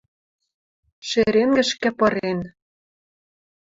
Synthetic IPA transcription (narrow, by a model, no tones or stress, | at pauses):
ʃeɾenɡɘ̆ʃkæ̆pɤ̆ɾen